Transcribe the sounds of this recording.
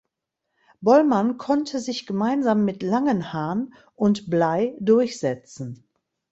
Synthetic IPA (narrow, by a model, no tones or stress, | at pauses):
bɔlmankʰɔntʰəzɪçɡ̥əmaɪnzaːmːɪtlaŋənhaːɐn | ʔʊntb̥laɪdʊɐçz̥ɛt͡sn̩